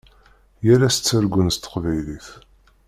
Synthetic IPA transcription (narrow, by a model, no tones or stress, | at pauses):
jæɾæst͡sːəɾɡʷːənst̪ə̥qvæjliθ